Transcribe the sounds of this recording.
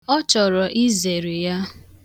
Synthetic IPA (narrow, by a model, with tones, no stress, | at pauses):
ɔ˦t͡ʃɔ˨ɾɔ˨ʔi˦ze˨ɾe˨ja˦